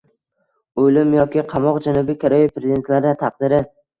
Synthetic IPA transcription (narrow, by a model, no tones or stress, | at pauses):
ojlɪmjɒkʲʰɪqʰɑmɒqd͡ʒanʊbikʰʲaɾɒjipʰɾezʲid̪e̞nt̪laɾnɪt̪ʰɑqd̪ɪɾɪ